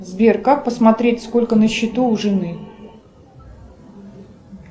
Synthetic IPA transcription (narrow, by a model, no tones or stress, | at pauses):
zbʲerkak̚pəsmɐt̪ɾʲetʲsko̞lʲkənəɕːɪt̪uʊʐɨnɨ